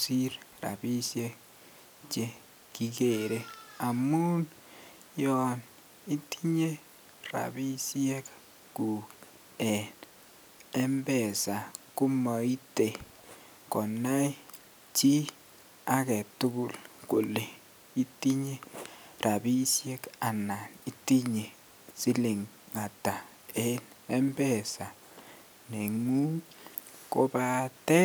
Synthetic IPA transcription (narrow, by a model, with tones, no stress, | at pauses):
si˦ɾɾa̰˨bi˦sje˦k | t͡ʃe˦ | ki˦ke˨ɾe˦a˨mu˦n | jɔ˨n | i˦ti˦ɲe˦ | ra̰˨bi˦sjɛ˦k | ku˨k | ɛ˨n | ɛ˦mbɛ˨sa˨kʊ˦mɔ˨i˦te˨ | kɔ˨na˦i˦ | t͡ʃi˦ | a˦kɛ˨tu˦ku˨lku˨le˨ | i˦ti˦ɲe˦ra˨bi˦sje˦ka˨na˨ni˦ti˦ɲe˨ | si˦li˨ŋ | ŋa˨ta˨ | e˦n | ɛ˦mbɛ˦˨sa˨ | ne˨ŋu˦ | ko˦ba˦tɛ˦